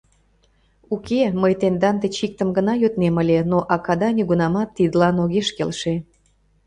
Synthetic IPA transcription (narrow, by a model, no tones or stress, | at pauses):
ukeməjt̪end̪ɑnd̪et͡ɕik̚t̪əmɡənɑjøt̪neməlʲenoʔɑkɑd̪ɑnʲyɣunɑmɑt̪ːid̪əlɑnoɣeʃkelʃe